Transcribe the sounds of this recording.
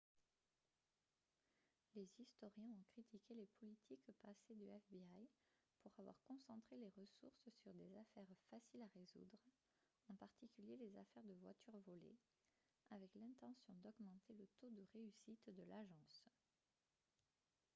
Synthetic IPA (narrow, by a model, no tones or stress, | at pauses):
lezist̪ɔʁjɛ̃ɔ̃kχit̪ikʲelepʰɔlit̪ʰikpased̪yɛfbiaj | puʁavwa̰ʁkɔ̃sɑ̃t̪χeleʁəsuʁssyʁd̪ezafɛʁfasilaʁezṵd̪ʁ | ɑ̃paʁt̪ikʲyljelezafɛʁd̪əvwa̰t̪yʁvɔlḛ | avɛklɛ̃t̪ɑ̃sjɔ̃d̪ɔɡmɑ̃t̪elət̪od̪əʁeysit̪d̪əlaʒɑ̃s